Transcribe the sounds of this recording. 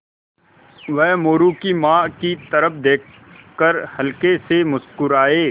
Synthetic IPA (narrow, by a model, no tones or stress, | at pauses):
ʋɛɦmoːɾũkimãːkit̪ɐɾəpʰd̪eːk̚ʰ | kəɾhɐlkesemʊskʊɾaːeː